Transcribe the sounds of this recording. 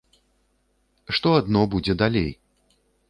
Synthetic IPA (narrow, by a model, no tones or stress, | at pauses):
ʂt̪ɔad̪nɔbud͡zʲɛd̪alʲḛj